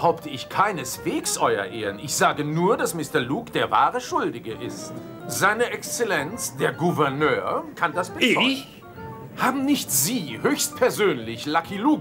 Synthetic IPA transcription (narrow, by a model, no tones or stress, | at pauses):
əhaʊptʰəɪçkʰaɪnəsv̥eːksʔɔʏɐ̰ʔeːʁənɪçz̥aːɡənuːɐdasmɪstɐɐluːkd̥eːɐva̰ːʁəʃʊldɪɡəʔɪ̰st | z̥aɪnəʔɛkst͡sɛlɛnt͡sd̥eːɐɡuvɛɐnøːɐkʰandasb̥ə | haːbm̩nɪçtz̥iːhøːçst̚pʰɛɐzøːnlɪçlakʰiluːk